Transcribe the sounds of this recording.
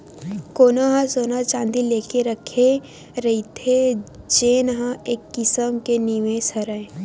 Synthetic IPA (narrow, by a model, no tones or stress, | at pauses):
koːnaɦãsoːnat͡ʃãːnd̪ileːkeɾəkʰe | ɾɐɦit̪ʰe | d͡ʒeːnɦãeːkːɪsəmkeniʋẽsəɾəẽ